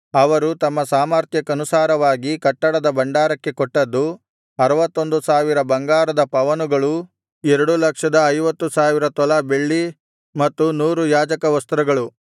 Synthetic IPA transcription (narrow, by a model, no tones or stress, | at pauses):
ɐʋɐɾut̪ɐmːɐsaːmaːɾt̪ʰjɐkɐnusaːɾɐʋaːɡikɐʈːɐɽɐd̪ɐbɐɳɖaːɾɐkːe̞koʈːɐd̪ːu | ɐɾɐʋɐt̪ːo̞nd̪usaːʋiɾɐbɐŋɡaːɾɐd̪ɐpɐʋɐnuɡɐɭu | ɛɾɐɽulɐkʂɐd̪ɐːjʋɐt̪ːusaːʋiɾɐt̪ɔlɐbe̞ɭːi | mɐt̪ːunuːɾujaːd͡ʒɐkɐʋɐst̪ɾɐɡɐɭu